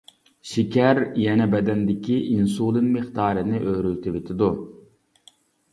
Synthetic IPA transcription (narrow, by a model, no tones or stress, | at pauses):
ʃikʲæɾjɛnɛbɛd̪ɛnd̪ɪkʲiʔinsuːlˠɨnmeχt̪ɑːɾɨnɪʔøɾylt̪ʰɪvet̪ʰɪd̪u